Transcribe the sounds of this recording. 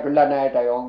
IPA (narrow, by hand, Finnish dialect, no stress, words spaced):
kylːæ næetæ jo oŋ